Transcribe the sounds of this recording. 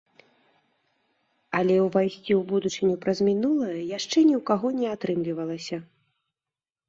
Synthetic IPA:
ɐlʲɛwvajsʲt͡sʲiwbud̪ut͡ʂɨnʲupɾɐzʲmʲinulˠɐjɐjaʂt͡ʂɛnʲiwkaɣɔnʲɛat̪ɾɨmlʲivɐlˠɐsʲɐ

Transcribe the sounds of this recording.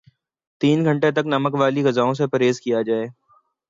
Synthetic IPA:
t̪iːnɡʱɐ̃ɳʈet̪ɐknɐməkʋaːliɡɐzaːõs̬epɐɾeːzkijad͡ʒaːeː

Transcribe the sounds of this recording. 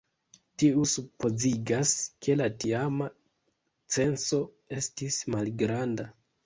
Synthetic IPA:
tiusupo̞ziɡaskʰe̞latiama | t͡se̞nso̞ | e̞stismalɡɾanda

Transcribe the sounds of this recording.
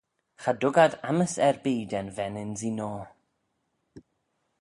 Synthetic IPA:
χadʊɡadaməsɛrbeːdɛnvɛnɪnzinɔ

